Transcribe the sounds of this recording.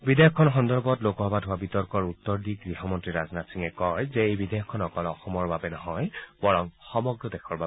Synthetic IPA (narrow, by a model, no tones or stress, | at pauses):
bidejɔkʰːɔnɔxɔndɔɹbɔtlokɔɦbadʱɦʊwabitɔɹkɔɹutːɔɹdiɡɹiɦɔmɔntɹiɹaznatsiŋɛkɔjzɛejbidejɔkʰɔnɔkɔlɔxɔmɔɹbabɛnɔɦɔjbɔɹɔŋxɔmɔɡɹɔdɛxʰɔɹba